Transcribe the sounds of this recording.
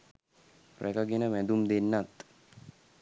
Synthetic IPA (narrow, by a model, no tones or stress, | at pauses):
rʔækəɡenəmæd̪umd̪enːat̪